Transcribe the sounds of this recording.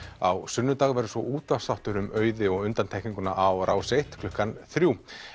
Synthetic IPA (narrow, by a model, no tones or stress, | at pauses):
a̰wsʏnːʏt̪aːɣvɛɾʏsvɔ̰ʔuːt̪vḁsawht̪ʏɾʏmœːɥðɪɔɣʏnt̪ant̪ɛhkniŋkʏna̰ʔawɾʔawsejht̪kʰlʏhkanθɾjuː